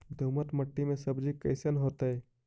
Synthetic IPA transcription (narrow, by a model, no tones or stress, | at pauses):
d̪ʱumət̪məʈːimẽsəbd͡ʒikəɪsənɦot̪əe